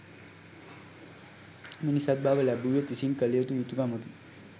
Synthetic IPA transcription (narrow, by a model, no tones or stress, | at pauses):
minisad̪̚baːʋəlæbuːjet̪ʋisiŋkəlejət̪ujut̪uɡaːmot̪i